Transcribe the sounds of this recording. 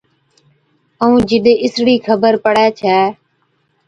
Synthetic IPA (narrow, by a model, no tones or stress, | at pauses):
əũːd͡ʒɪɗ̪eɪsɽiːkʰəbəɾpəɽɛːt͡ʃʰɛː